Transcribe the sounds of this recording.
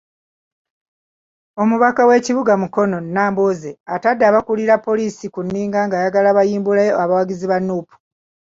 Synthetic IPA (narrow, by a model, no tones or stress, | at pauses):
o̞muβakawe̞ːciβuɡamuko̞no̞nːaːmbozeatadːaːβakuliɾapːo̞liːsikunːiːŋɡaŋɡajaɡalaβajiːmbulajoaβawaɡiziβanːuːpu̥